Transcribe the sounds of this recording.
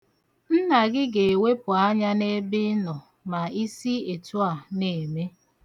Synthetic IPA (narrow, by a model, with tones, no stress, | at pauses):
n̩˦na˨ɡɪ˦ɡe˨e˨we˦pʊ˨a˦ɲa˦ne˦bɪ˦nɔ˨ | ma˨i˦si˦e˨tu˦a˨ne˨me˦